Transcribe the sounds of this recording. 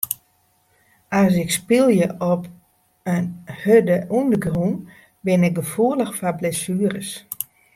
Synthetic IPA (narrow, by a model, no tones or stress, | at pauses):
as̬ɪkspilˠjəʔɔp | ənhødəʔundəɡrun | bɪnɪk̚ɡəfuələxfablesyːərəs